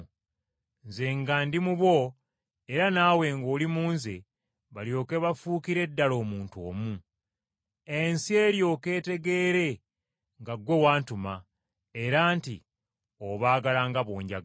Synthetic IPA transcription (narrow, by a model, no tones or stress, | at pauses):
nzeŋɡandimuβwo̞ | eɾanaːwe̞ŋɡoːlimuːnze | βaljo̞ːke̞βafuːkiɾe̞dːalo̞ːmuːnto̰ːmu | e̞nsie̞ːljo̞ke̞ːte̞ɡe̞ɾe̞ | ŋɡaɡwe̞waːntuma | e̞ɾaːntḭ | oβaːɡalaːŋɡaβoːɲɟa